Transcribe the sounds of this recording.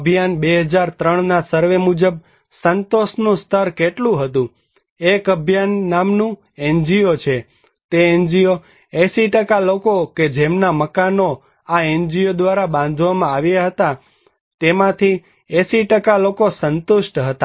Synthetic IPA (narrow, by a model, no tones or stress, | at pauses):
əbʱijanbeɦəd͡ʒaɾt̪ɾəɳ̃nasəɾʋemud͡ʒəb | sənt̪osnũst̪ʰəɾkeʈlũɦət̪ũ | ekəbʱjanːamnũ | end͡ʒiot͡ʃʰe | t̪eend͡ʒijo | eʃiʈəkalokoked͡ʒemnaməkano | aend͡ʒijod̪ʋaɾabãnd̪ʱʋamãaʋjaɦət̪a | t̪emãt̪ʰi | eʃiʈəkalokosənt̪uʃʈɦət̪a